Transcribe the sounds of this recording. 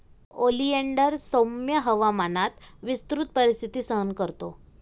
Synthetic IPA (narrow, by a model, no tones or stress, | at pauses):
olieɳɖəɾsomjəɦəʋamanat̪ʋist̪ɾut̪̚pəɾist̪ʰit̪iːsəɦənkəɾt̪o